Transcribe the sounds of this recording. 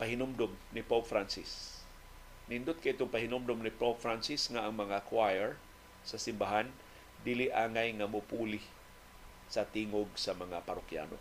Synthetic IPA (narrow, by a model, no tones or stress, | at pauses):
pahɪnʊmd̪omnɪpopfɾansɪs | nɪnd̪ʊt̪̚kaʔɪt̪oŋpahɪnʊmd̪ʊmnɪpopfɹansɪsŋaʔːŋmɐŋakwajɛɹ | sɐsɪmbaɦan | d̪ilɪʔaːŋajŋamʊpuːlɪ | sɐt̪iːŋoɡ̚sɐmɐŋapaɾʊkja̰no̰